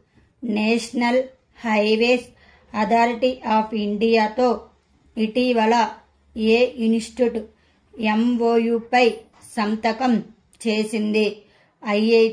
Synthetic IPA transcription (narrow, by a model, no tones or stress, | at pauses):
neːʂnɐl | hɐjʋeːs | ɐt̪ʰaːɾiʈiʔaːpʰiɳɖijaːt̪o̞ː | iʈiʋɐlɐ | eːinsʈuʈ | emʋoːjuːpɐj | sɐmt̪ɐkɐm | t͡ʃeːsind̪i | ɐje